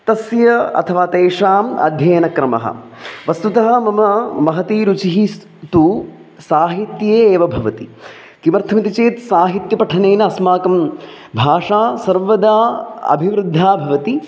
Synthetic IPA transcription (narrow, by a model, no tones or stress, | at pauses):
t̪ɐsjɐɐ̰t̪ʰɐʋaːt̪eːʂaːmɐ̰d̪ʱjɐːnɐkɾɐmɐ̰ɦɐ̰ʋɐst̪ut̪ɐɦɐ̆mɐmɐmɐɦɐt̪iːɾut͡ʃiɦis | t̪u | saːɦit̪jeːʋɐbʱɐʋɐt̪i | kimɐɾt̪ʰɐmit̪it͡ʃeːt̪saːɦit̪jɐpɐʈʰɐneːnɐɐsmaːkɐm | bʱaːʂaːsɐɾʋɐd̪aːɐ̰bʱiʋɾɨd̪ʱːaːbʱɐʋɐt̪i